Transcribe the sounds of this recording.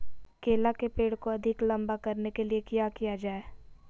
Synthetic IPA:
keːlakepeːɽkoɐd̪ʱɪklɐ̃mbakɐɾnekeliekijakijad͡ʒaːeː

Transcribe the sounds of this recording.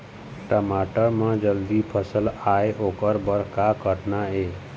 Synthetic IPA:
ʈəmaʈəɾmãd͡ʒəld̪ipʰəsəlaeʔokəɾbəɾkakəʈnae

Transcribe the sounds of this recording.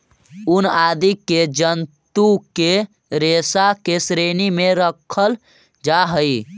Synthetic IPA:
unad̪iked͡ʒənt̪uke | ɾesakesɾenimeɾəkʰəl | d͡ʒaɦəj

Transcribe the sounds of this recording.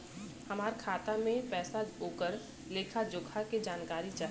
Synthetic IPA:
hɐmaːɾkʰaːt̪amẽpɛːsaoːkəɾ | leːkʰad͡ʒʊɡʰʱaked͡ʒaːnkaːɾit͡ʃaː

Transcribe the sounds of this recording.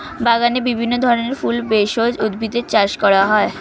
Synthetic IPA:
baɡanebibʱinːod̪ʱɔɾoneɾfulbeʃod͡ʑud̪bʱid̪eɾt͡ɕaɾʃkɔɾaɦɔe

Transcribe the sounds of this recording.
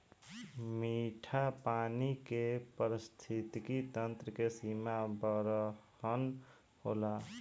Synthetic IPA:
miʈʰapanikepəɾist̪ʰit̪kit̪ənt̪ɾəkesimabəɾə | ən | hola

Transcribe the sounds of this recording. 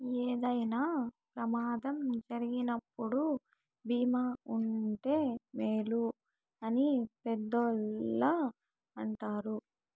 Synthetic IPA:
eːd̪ɐjnaːpɾɐmaːd̪ɐmd͡ʒɐɾiɡinɐpːuɽu | biːmaːuɳʈe̞ːmeːlu | ɐnipɛd̪ːolːa | ɐɳʈaːɾu

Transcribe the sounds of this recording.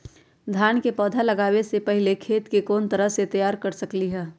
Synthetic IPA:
d̪ʱjaːnkepɔːd̪ʱalɐɡaːwesepɐɦɪlekʰeːt̪kekoːnt̪ɐɾəɦset̪ɐjaːɾkɐɾsɐkliɦɛː

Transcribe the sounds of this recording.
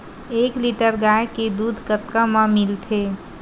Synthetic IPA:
eːkliʈəɾɡaːjked̪uːd̪ʱkət̪kamãmɪlt̪ʰe

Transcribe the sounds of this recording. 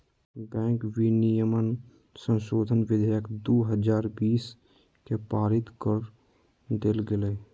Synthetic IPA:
bɛ̃ːŋkwinijəmən | sə̃nʃoːd̪ʱənʋɪd̪ʱəjəkd̪oːɦəd͡ʒaːɾbiːs | kepaːɾɪt̪kəɾ | d̪elɡele

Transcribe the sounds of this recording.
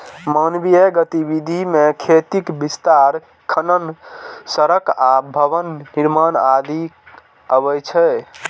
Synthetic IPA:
manbijeɡət̪ibid̪ʱimekʰet̪ikbist̪aɾ | kʰənənsəɾəkabʱəbənːiɾmanad̪i | əβɛjt͡ʃʰɛ

